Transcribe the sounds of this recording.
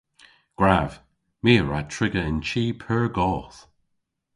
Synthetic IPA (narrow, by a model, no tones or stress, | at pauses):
ɡ̥ɹav̥ | miːɹa̰tʰɹɪɡəɪnt͡ʃiːpʰəɹɡɔːθ